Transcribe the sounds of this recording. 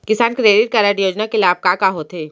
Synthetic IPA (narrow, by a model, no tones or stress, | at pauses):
kɪsaːnkɾeːɖɪʈ̚kaɾaʈjoːd͡ʒnakelaːb̚kakaɦoːt̪eː